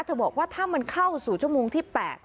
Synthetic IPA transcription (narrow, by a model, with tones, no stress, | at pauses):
t̪ʰɤː˨˩bɔː˨˩k̚waː˥˩t̪ʰaː˥˩ma˧nkʰa˥˩wsuː˨˩t͡ɕʰu˥˩əmoː˧ŋt̪ʰiː˥˩pɛː˨˩t̪̚